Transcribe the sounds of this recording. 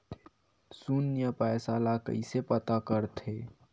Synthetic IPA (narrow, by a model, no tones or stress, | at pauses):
sunjəpɛːsalakə̰isepət̪akəɾt̪ʰeː